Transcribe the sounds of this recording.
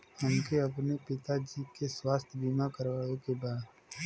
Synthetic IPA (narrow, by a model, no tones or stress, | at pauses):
həmkeɐpnepɪt̪ad͡ʒiːkeswaːst̪ʰbiːmakəɾʋaːʋekebaːd̪